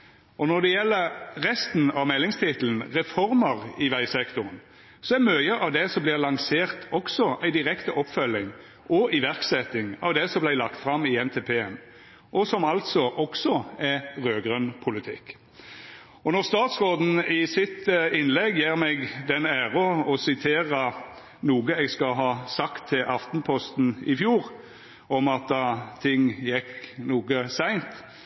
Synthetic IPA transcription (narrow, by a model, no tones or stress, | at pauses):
ɔnɔʁd̪ɛjɛlːəʁʁɛst̪n̩ɑʋmɛlːɪŋst̪ʰɪt̪ln̩ʁɛfɔɾməʁɪʋæɪsɛkt̪ʊʁən | sɔæɾmœʏəʔɑʋd̪ɛsɔmblɪʁlɑŋseːʁt̪ʰɔksɔʔæɪd̪ɪʁɛkt̪əʔɔpːfœlːɪŋ | ʔɔɪʋæʁksɛt̪ːɪŋɑ̰ʋd̪ɛsɔmblæɪlɑkt̪fɾɑmɪɛnt̪ʰeːpʰeːɛn | ʔɔsɔmɑlt̪sɔʔɔksɔɛʁøːɡʁœnpʰʊlɪt̪ʰɪ̰kː | ɔnɔʁst̪ɑːt̪sʁoːd̪n̩ɪsɪt̪ɪnlɛɡjiːʁmɛɡd̪ɛnæːʁɔɔsɪt̪ʰeːʁə | nuːɡəɛɡskɑlɦɑːsɑkt̪ʰːɪlʔɑft̪npʰɔst̪n̩ɪfjuːʁ | ɔmɑt̪̚d̪ɑt̪ʰɪŋːjɛknuːɡəsæɪnt̪